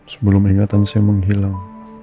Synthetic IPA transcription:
sə̥bəlʊmiŋat̪ansaaməŋɦilaŋ

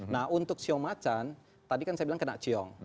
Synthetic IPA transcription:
nahunt̪ʊk̚t͡ʃiɔŋmat͡ʃan | t̪adikansajabilaŋkənaʔt͡ʃiɔŋ

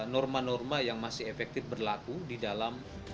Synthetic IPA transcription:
nɔrmanɔrmajaŋmasɪɦefɛk̚t̪ɪfbərlakudidalam

